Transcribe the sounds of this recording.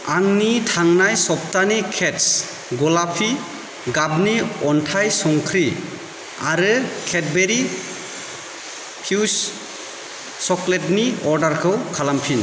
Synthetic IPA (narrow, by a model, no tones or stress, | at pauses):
aŋnitʰaŋnajsɔp̚tanikʰets | ɡɔlapʰi | ɡabniɔntʰajsɔŋkʰɾi | aɾɯkʰet̚beɾi | pʰus | ɔkletniɔɾdaɾkʰɯwkʰalampʰin